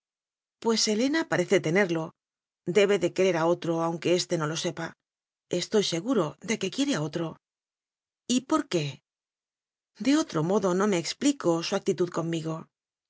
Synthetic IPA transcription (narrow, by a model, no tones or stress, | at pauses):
pwe̞se̞le̞napaɾe̞θe̞t̪ene̞ɾlo̞ | d̪e̞β̞e̞ðe̞keɾe̞ɾao̞t̪ɾo̞awŋke̞e̞st̪e̞no̞lo̞se̞pa | e̞st̪o̞jse̞ɣuɾo̞ðe̞ke̞kje̞ɾeao̞t̪ɾo̞ | ipo̞ɾke̞ | d̪e̞o̞t̪ɾo̞mo̞ðo̞no̞me̞ːkspliko̞suak̚t̪it̪uðko̞mːiɣo̞